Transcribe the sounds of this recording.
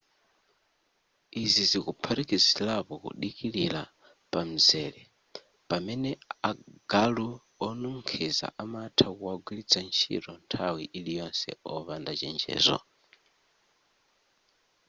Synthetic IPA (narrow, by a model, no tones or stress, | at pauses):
izizikupʰaɾikizilapɔkṵɗikilila | pam̩zɛːlɛ | pamɛnɛaɡ̥alu | ɔnuŋ̩kʰɛza̰ʔamatʰakuwaɡwilit͡sʰant͡ʃʰḭɾɔntʰawiʔilijɔnsɛ̰ɔβandat͡ʃɛnd͡ʒɛ̰ːzɔ̰